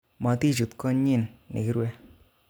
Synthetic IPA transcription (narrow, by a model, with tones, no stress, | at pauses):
ma˨˦ti˦˨d͡ʒu˨tkɔ˦ɲi˦˨nːḛ˨ki˦ɾe˦